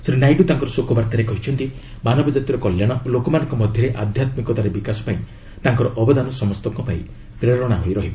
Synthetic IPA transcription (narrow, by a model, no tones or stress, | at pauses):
sɾinajʈut̪aŋkɔɾɔsokɔbaɾt̪aɾekɔɦit͡ʃʰɔnt̪i | manɔbɔd͡ʒat̪jɔɾɔkɔljaɽ̃ɔlokɔmanɔ̃ŋkɔmɔd̪ʱjɔɾeʔad̪ʱjat̪mikɔt̪aɾebikasɔ̥paĩ | t̪aŋkɔɾɔʔɔbɔd̪anɔsɔmɔst̪ɔŋkɔpaḭ̃ | pɾeɾɔɽ̃aɦojɾɔɦibɔ